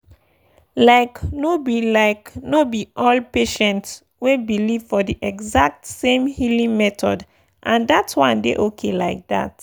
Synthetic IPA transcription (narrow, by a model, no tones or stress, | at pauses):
laɪknobilaɪknobiʔɔlpeʃɛ̃nts | webiliv̥fɔdiʔɛɡzak̚tsẽmhilĩŋmɛtɔd | ʔãndatʰwãndḛʔokʰelaɪk̚da̰t